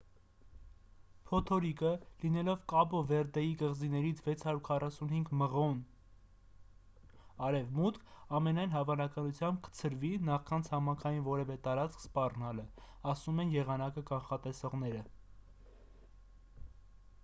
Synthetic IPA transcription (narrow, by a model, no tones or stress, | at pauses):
pʰɔt̪ʰɔɾikəlinɛlɔvkɑbɔvɛɾd̪ɛjikəʁzinɛɾit͡sʰvɛt͡sʰhɑɾuɾkʰɑrɑsunhiŋɡməʁɔn | ɑɾɛvmut̪kʰɑmɛnɑjn̪ɦɑvɑnɑkɑnut͡sʰjɑmb̚kə̥t͡sʰəɾvinɑχkʰɑnt͡sʰhɑmɑŋkʰɑjinvɔɾɛvɛt̪ɑɾɑt͡skʰspɑrnɑlə | ɑsumɛnjɛʁɑnɑkəkɑnχɑt̪ɛsɔʁnɛɾə